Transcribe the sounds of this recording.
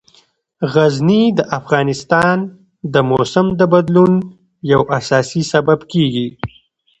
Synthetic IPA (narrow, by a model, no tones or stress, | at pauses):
ɣaznid̪əʔafɣɑnɪst̪ɑn | d̪əmosəmd̪əbad̪lun | jawasɑsisababkeɡi